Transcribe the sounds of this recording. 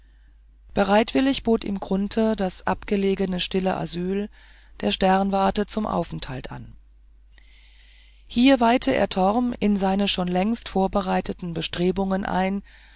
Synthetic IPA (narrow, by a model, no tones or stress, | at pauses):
b̥əʁaɪtv̥ɪlɪçb̥oːtḭːmɡʁʊntʰəd̥asʔapɡ̥əleːɡənəʃtɪlə̰ʔa̰zyːl | d̥eːɐʃtɛʁnvaɐtət͡sʊmʔa̰ʊfn̩thaltʔa̰n | hiːɐvaɪtʰəʔḛːɐtʰɔʁmɪnzaɪnəʃoːnlɛŋstfoːɐbəʁaɪtətn̩bəʃtʁ̥eːbʊŋənʔa̰ɪn